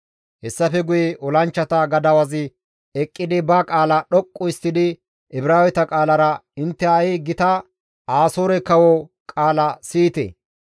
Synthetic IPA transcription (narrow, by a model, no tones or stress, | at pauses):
hɛsːɐfɛɡʊjɛʔɔlɐnt͡ʃːɐt̪ɐɡɐd̪ɐwɐzɪ | ɛkʼːɪd̪ɪbɐkʼaːlɐɗɔkʼːʊɪst̪ːɪd̪ɪ | ɪbɪɾaːwɛt̪ɐkʼaːlɐɾɐɪnt̪ːɛɐjɪɡɪt̪ɐ | aːsoːɾɛkɐwɔ | kʼaːlɐsiːt̪ḛ